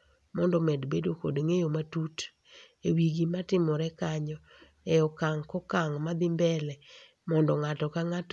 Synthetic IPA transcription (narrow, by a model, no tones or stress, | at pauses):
mɔndɔmɛdbedoko̰dŋejomatut | ewiɡimatɪmɔɾɛkaɲɔ | ɛɔkaŋkɔkaŋmad̪ɪmbɛlɛ | mɔndɔŋatɔkaŋat